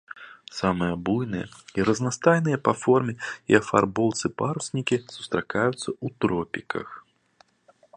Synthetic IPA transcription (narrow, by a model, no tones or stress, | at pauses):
samɨjɐbujnɨjɛ̰iɾɐznast̪ajnɨjɐpafɔrmʲɛiɐfa̰rbɔwt̪sɨpaɾusʲnʲikʲisu̥st̪ɾakajut̪sːɐut̪ɾɔpʲikɐ̰x